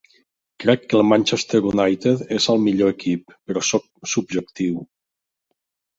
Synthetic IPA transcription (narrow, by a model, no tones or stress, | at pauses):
kɾɛkːəlˠmanʲt͡ʃest̪eɾunajt̪et̪ezəlˠmiʎoekipːəɾɔsɔk̚sub̚ʒək̚t̪iw